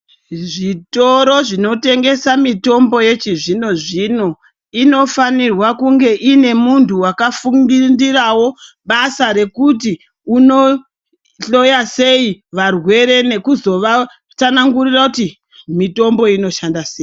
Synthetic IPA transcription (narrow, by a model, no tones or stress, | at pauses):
ʐito̞ɾo̞ʐino̞te̞ŋɡe̞samito̞mbo̞je̞t͡ʃiʐino̞ʐino̞ | ino̞fanirwakuŋɡe̞ʔine̞muntʰuwakafuŋɡindirawo̞ | ɓasaɾe̞kuti | uno̞ | ɬo̞jase̞iʋarwe̞ɾe̞ne̞kuzo̞ʋa | tanaŋɡurirakuti | mito̞mbo̞ino̞ʃandaseːi